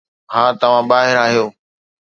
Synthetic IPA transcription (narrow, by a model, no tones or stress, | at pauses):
ɦãːt̪ɐʋ̤ãːɓaːɦɪɾaːɦijoː